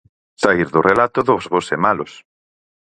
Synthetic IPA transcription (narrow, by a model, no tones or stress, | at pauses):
saiɾðʊrelat̪ʊðozβosemalʊs